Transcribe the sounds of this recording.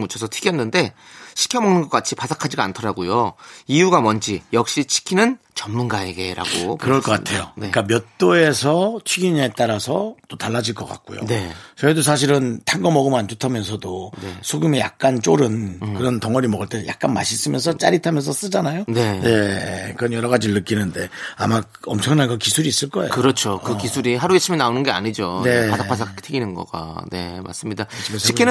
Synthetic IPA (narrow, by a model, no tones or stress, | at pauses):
mut͡ɕʰʌsʰʌtʰiɡjʌnːɯnde̞ɕʰi̥kʰjʌmʌŋnɯnɡʌk͈at͡ɕʰipasʰakʰad͡ʑiɡa̰ntʰʌɾaɡojoijuɡamʌnd͡ʑʰijʌk̚ɕ͈it͡ɕʰi̥kʰinɯn | t͡ɕʌmːunɡae̞ɡe̞̰ɾa̰ɡo̰kɯɾʌɭkʌk͈atʰe̞jonk͈amjʌt͈oe̞sʰʌt͡ɕʰɥiɡiɲe̞t͈aɾasʰʌt͈otaɭːad͡ʑiɭk͈ʌk͈a̰k̚k͈o̰jo̰ne̞t͡ɕʌidos̬ʰaɕ̬ʰiɾɯntʰaŋɡʌmʌɡɯmand͡ʑotʰamjʌns̬ʰʌdoesʰoɡjume̞ja̰k̚k͈ant͡ɕ͈oɾɯnkɯɾʌntʌŋʌɾimʌɡɯɭt͈e̞ja̰k̚k͈anma̰ɕʰis͈ɯmjʌns̬ʰʌt͡ɕ͈a̰ɾitʰamjʌns̬ʰʌs͈ɯd͡ʑanajonene̞kɯɾʌnjʌɾʌɣad͡ʑiɾɯɭːɯk͈inɯnde̞a̰mak | ʌmt͡ɕʰʌŋnanɡʌkisʰuɾiːs͈ɯɭk͈ʌḛɯɾʌt͡ɕʰokɯkisʰuɾiɦaɾuet͡ɕʰiminaonɯnɡea̰ɲid͡ʑone̞aapʰas̬ʰaktʰeɡinɯnɡʌ̰ɡa̰ne̞ma̰s͈ɯmɲidat͡ɕikʰin